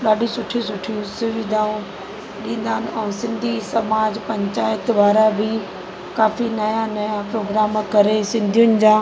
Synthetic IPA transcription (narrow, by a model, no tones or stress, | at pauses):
ɗaːɗʱisʊʈʰisʊʈʰiũsʊʋɪd̪ʱaːũ | ɗĩːnd̪aːnɪɛ̃ːsɪ̃nd̪ʱisɐmaːd͡ʑpɐ̃ɲt͡ɕaːɪt̪ʋaːɾabʱɪ | kaːfinɐjanɐjapɾoːɡɾaːmkɐɾesɪ̃nd̪ʱijʊnɪ̆d͡ʑãː